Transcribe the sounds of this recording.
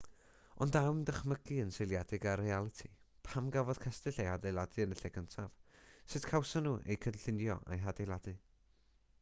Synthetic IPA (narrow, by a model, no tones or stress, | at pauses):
ɔndawmdəχməɡiənsejlˠjadɨɡaɾrialˠɨtʰi | pʰamɡavɔð̥kʰɛstɨɬejhadejlˠadɨənəɬɛɡəntʰav̥sɨtkʰawsənuʔḛjkʰədɬɪnjɔ̰ʔa̰jɦadejlˠadɨ